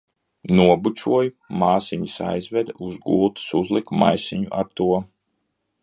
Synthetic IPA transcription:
nuɔbut͡ʃʲuɔju | maːsiɲisa̰jzvɛd̪uzɡulˠt̪ɨ̥suzlˠikma̰jsiɲṵʔaɾt̪uɔ

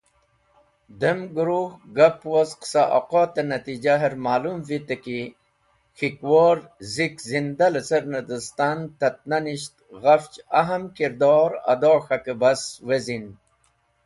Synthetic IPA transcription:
d̪əmɡuɾuhɡɐpwozqsaʔo̰qot̪enɐt̪id͡ʑaɦeɾmaːlumvit̪əki | xikwoːɾzikzind̪alesəɾnɐd̪əst̪ant̪ɐt̪̚nɐniɕt̪ɣɐft͡ʃɐɦɐmkiɾd̪oːɾɐ̰d̪oːxɐkebɐswezin

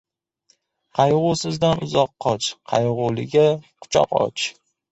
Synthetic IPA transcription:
qʰɑjʁʊsɪzd̪anʊzɒqʰːɒt͡ʃqʰɑjʁʊlɪɡʲaqʰʊ̥t͡ʃʰɒ̰qɒ̰t͡ʃ

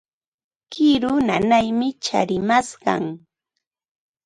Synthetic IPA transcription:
kɪɾʊnanajmɪt͡ʃa̰ɾɪmasɢɑ̰ŋ

